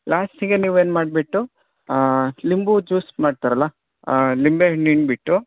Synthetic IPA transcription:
laːsʈiɡeniːʋeːnmaːɖbiʈːu | limbud͡ʒuːsmaːɖt̪aɾɐlːɐ | limbeniɳʈbiʈːu

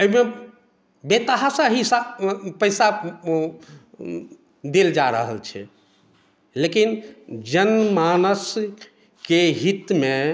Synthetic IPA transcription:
əime | bet̪əɦasə̃ɦisapəjsa | d̪eld͡ʒaɾə̰ɦə̰lt͡ʃʰɛ̰ | lekind͡ʒənmanəs | keɦit̪me

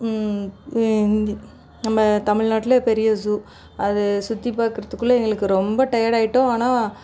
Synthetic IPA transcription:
nd̪ | nɐmːɐt̪ɐmɪɻnaːʈːɪlɐpɛɾɪjɐsuː | ɐðɯsʊt̪ːipaːɾkɯɾɐðɯkːɯɭːɐɛŋɡɐɭɯkːɯɾɔmbɐʈɐjaɾaːjɪʈːõaːnaː

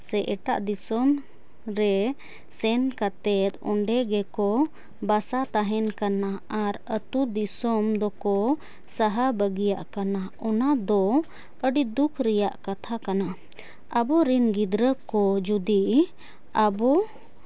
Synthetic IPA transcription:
sɛʔɛʈa̰ʔd̪isɔm | ɾɛ | sɛnkat̪ɛt̪̚ɔ̰ɳɖɛɡɛkɔ | basat̪aɦɛnkanaaɾət̪ud̪isɔmd̪ɔkɔ | saɦabəɡija̰ʔkanaɔnad̪ɔ | əɖid̪ukʰɾɛjaʔkat̪ʰakana | əbɔɾinɡid̪ɾəkɔd͡ʒud̪iʔ | abɔ

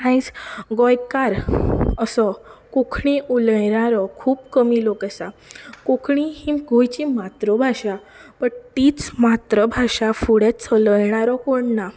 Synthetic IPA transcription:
ajsɡɔjkaɾəsɔkokʰɳ̃ĩʔuləjɳaɾɔkʰuːbkəmilokəsakokʰɳĩhĩɡʱojt͡ɕimat̪ɾəbʱaɕa | pəɳʈiːt͡smat̪ɾəbʱaʂafuɽet͡sʰələjɳ̃aɾɔkoɳna

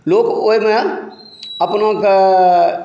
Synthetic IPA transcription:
loːkoime | ɐpnok

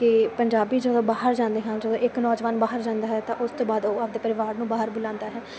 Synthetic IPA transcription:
kɪpəɲd͡ʒaːbiːd͡ʒəd̪õːbaːɦəɾd͡ʒãːnd̪eːɦãnd͡ʒəd̪õːʔɪknɔːd͡ʒʋaːnbaːɦəɾd͡ʒãːnd̪aːɦɛːt̪ãʔʊst̪õːbaːd̪oːapd̪eːpəɾɪʋaːɾnũːbaːɦəɾbʊlãːnd̪aːɦɛː

